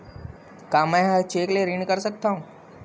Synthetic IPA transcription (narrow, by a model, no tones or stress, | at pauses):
kaːmɛ̃ːɦəɾt͡ʃeːkleɾɪɳkəɾsək̚t̪aːɦũː